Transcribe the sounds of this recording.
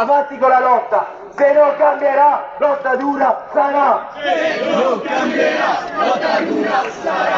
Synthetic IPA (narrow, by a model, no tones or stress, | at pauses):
avant̪ikolalɔt̪ːa | senoŋkambjeɾalɔt̪ːad̪uːɾasama | noŋkambeɾalɔt̪ːad̪uːɾa